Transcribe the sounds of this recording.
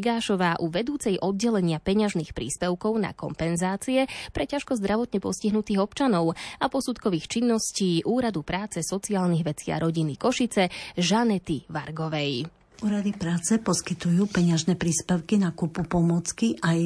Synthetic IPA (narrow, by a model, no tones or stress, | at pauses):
ɡaːʃɔʋaːʔuʋɛd̪uːt͡sɛjʔɔd̪̚ɟɛlɛɲɪapɛɲaʒniːxpɾḭːspɛʊkɔʊna̰kɔ̰mpɛnzaːt͡siɛpɾɛcaʃkɔzd̪ɾaʋɔt̪ɲɛpɔ̰sciɦnut̪iːɣɔpt͡ʃanɔʊapɔsut̪kɔʋiːxt͡ʃinːɔsciːʔuːɾad̪upɾaːt͡sɛsɔt͡siaːlniɣʋɛt͡sɪa̰ɾɔɟinikɔʃit͡sɛʒanɛt̪iʋaɾɡɔʋɛj | uːɾad̪ipɾaːt͡sɛpɔskit̪ujuːpɛɲɪaʒnɛpɾiːspɛʊkinakupupɔmɔt͡skiʔaj